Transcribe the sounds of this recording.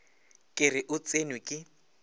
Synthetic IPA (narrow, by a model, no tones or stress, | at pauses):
kʼɪrɪʔʊt͡sʼenwʊkʼɪ